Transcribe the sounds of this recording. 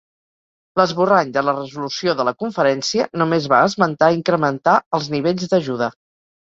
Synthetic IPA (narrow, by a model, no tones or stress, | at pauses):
ləzβuraɲd̪ələrəzulusioðələkuɱfəɾɛnsiənumezβaəzmənt̪aiŋkɾəmənt̪aəlˠzniβeʎzd̪əʒuð̞ə